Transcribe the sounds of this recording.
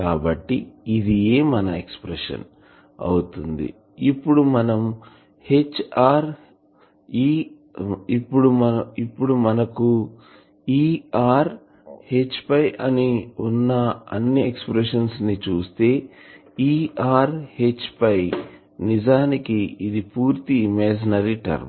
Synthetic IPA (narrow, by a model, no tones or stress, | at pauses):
kaːbɐʈːiid̪ije̞ːmɐnɐekspɾeʂɐ̰n | ɐ̰wut̪und̪ḭ | ipːuɽumɐnɐm | he̞t͡ʃːaːɾ | iː | ipːuɽumɐɐipːuɽumɐnɐku | iːaːɾ | he̞t͡ʃːpɐjʔɐniunːɐɐ̰nːiekspɾeʂɐnsnit͡ʃuːst̪e̞ː | iːaːɾhet͡ʃːpɐj | nid͡ʒaːnikiid̪ipuːɾt̪iːmɛːd͡ʒinɐɾiʈɐ̰ɾm